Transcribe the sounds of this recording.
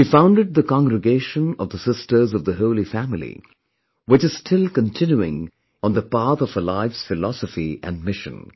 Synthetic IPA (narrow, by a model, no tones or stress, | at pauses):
hifãʊ̃ndɨd̪̚ðəkɑ̃ŋɡɹɨɡeɪʃə̃nʌ̰vðəsɪstə˞zʌvðəɦoʊlifæmɪlḭ | wɪt͡ʃɨz̥stʰɪlˠkə̃ntʰɪ̃njuɪ̰̃ŋ | ə̃nðəpɑɹθʌv̥əlaɪvsfɪlɑsəfiʔɨ̰̃nmɪʃɨ̰̃n